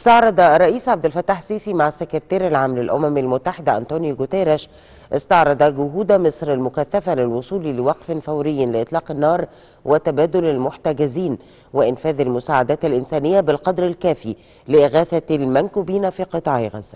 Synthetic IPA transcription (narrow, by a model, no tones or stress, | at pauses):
ʔst̪ɑʕɾˤɑd̪ˤɑrˤːɑʔiːsʕab̚d̪ɪlfæt̪ːaːħsiːsimaʕasːekɪɾt̪æːɾɪlʕaːmlɪlʔʊmæmalmʊt̪ːaħɪd̪æʔænt̪oːnjɡʊt̪eɾeʃ | ʔɪst̪ɑʕɾˤɑd̪ˤɑɡʊɦuːd̪æmɪsˤɾɪlmʊkæθːæfælɪlwosˤuːlilɪwɑqfenfæwɾɪjːnlɪʔet̪ˤlɑːqɪnːɑːɾˤ | wɪt̪æbæːd̪olɪlmʊħt̪æɡɪziːn | wɪʔɪnfæːðalmʊsaːʕad̪æːt̪ɪlʔɪnsæːnɪjːæbɪlqɑd̪ɾɪlkæːfi | lɪʔɪɣæːθælmænkuːbiːnfiːqɨt̪ˤɑːʕeɣæ̰zːæ